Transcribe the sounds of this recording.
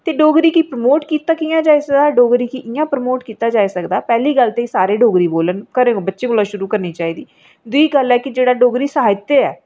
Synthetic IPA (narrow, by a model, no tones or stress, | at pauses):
t̪eːɖoːɡɾiːkiːpɾəmoːʈkiːt̪aːkiːãːd͡ʒaːisəkd̪aːɖoːɡɾiːkiːʔɪjãːpɾəmoːʈkiːt̪aːd͡ʒaːiːsəkd̪aːpɛːliːɡəlt̪eːisaːɾeːɖoːɡɾiːboːlənkəɾẽːobətːʃẽːkoːlãːʃʊɾuːkəɾniːt͡ʃaːiːd̪iː | d̪ʊiːɡəlɛːkɪd͡ʒeːɽaːɖoːɡɾiːsəɦaːɪt̪eɛː